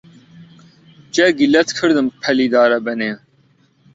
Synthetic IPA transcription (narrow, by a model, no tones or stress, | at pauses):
t͡ɕɐɡilɐt̪kʰəɾd̪ɨmpʰɐlid̪aːɾɐbɐne